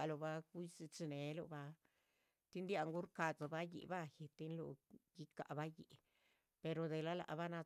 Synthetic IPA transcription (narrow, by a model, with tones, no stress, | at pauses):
a˨lo˧˨ba˧ku˦si˧t͡ʃi˧ne˨˦lo̰˧ba˧ | t̪i˦nd̪ja˧ŋɡu˦ɾka˧˨t͡sa˨ba˦jḭ˨ba˦je˨t̪i˦nlo̰˧ɡi˦ka̰˧ʔba˦jḭ˨ | pe˧ɾo˨d̪e˨la˦la̰˨ba˦na˧